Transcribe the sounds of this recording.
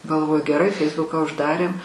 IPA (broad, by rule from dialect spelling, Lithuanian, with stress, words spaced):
ɡɐlˠˈʋoːjʊ ɡʲɛˈrɐɪ ˈfʲɛɪzbʊkɑː ʊʒˈdɑːrʲeːm